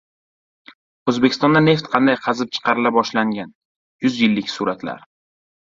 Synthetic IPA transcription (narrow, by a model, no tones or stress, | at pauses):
ozbe̞kʲʰɪ̥st̪ɒnd̪ane̞ft̪qʰɑnd̪ajqʰɑzɪp̚t͡ʃʰɨ̥qʰɑɾɪlabɒʃlaŋɡʲan | jʊzjɪlːɪkʲsuɾat̪la̰ɾ